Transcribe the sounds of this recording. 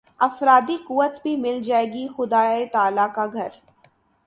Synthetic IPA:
ɐfɾaːd̪ikuːət̪bʱimɪld͡ʒaːeːɡixʊd̪aːet̪aːlakaɡʱɐɾ

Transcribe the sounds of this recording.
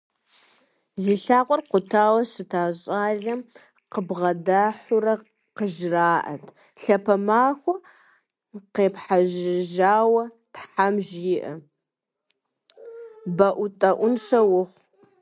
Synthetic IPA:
ziːɬaːqʷʼɔrqʷʊtʰaːwɐɕɪtʰaːɕʼaːɮɐm | qəbʁɐdaːħʊrɐ | qəʒraːʔɐtʰ | ɬɐpʰɐmaːxʷɐ | qeːpħaʒɪʒaːwɐ | tħamʒiːʔɐ | bɐʔʷʊtʼɐʔʷʊnʂɐwʊχʷ

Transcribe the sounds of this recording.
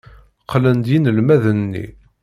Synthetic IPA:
qʰlənd̪jinəlmæðənːḭ

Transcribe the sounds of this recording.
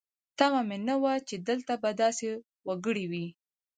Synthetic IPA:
t̪amamenəwat͡ʃed̪əlt̪abad̪ɑse | waɡəɽiwi

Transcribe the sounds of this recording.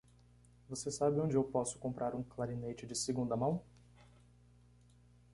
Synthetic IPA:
vosesabɪõd͡ʒɪewpɔsʊ̥kõmpɾʔaɾũklaɾinet͡ʃɪd͡ʒɪsɪɡũnd̪ɐmɐ̃w̃

